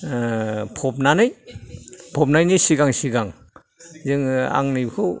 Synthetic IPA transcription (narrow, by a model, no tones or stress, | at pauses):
pʰɔp̚nanɯj | pʰɔp̚najnijsiɡaŋsiɡaŋ | zɯŋa̰ŋnɯjbkʰɯw